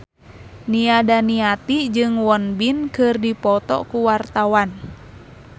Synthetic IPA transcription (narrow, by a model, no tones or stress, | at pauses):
niadaniat̪id͡ʒɨŋwɔnbinkɨrdipɔt̪ɔ̰kuwart̪awan